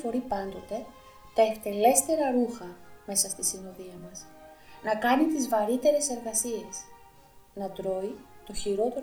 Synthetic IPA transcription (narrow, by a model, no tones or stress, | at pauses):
fo̞ɾipɐnd̪o̞t̪e̞ | t̪ɐekt̪e̞le̞st̪e̞ɾɐɾuxɐme̞sɐst̪isinoðiɐmɐs | nɐkɐnit̪izvɐɾit̪e̞ɾe̞se̞ɾɣɐsie̞s | nɐt̪ɾo̞it̪o̞çiɾo̞t̪e̞ɾ